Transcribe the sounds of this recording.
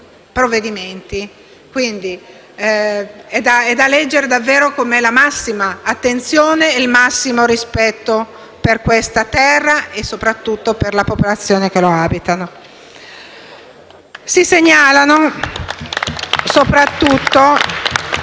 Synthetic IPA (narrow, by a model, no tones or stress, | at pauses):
pɾovːed̪iment̪i | kwind̪i | ɛd̪aɛd̪alɛd͡ʒːeɾed̪avːeːɾokomeɛlamasːimaːt̪ːent̪sjoːneilmasːimoɾispɛt̪ːo | perkwest̪at̪ɛrːaʔesːopɾat̪ːut̪ːoperlapopolat̪sːjoːnek̟eloaːbit̪ano | siseɲːaːlano | sopɾat̪ːut̪ːo